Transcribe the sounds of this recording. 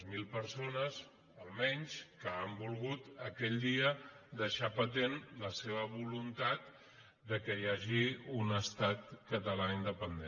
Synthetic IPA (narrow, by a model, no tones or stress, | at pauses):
zmilˠpəɾsonəz | əlˠmɛɲʲskəambulˠɣut̪əkɛʎd̪iəd̪əʃapət̪enləseβəβulunt̪at̪ | d̪əkəjaʒiunəst̪at̪̚kət̪əlaind̪əpənd̪e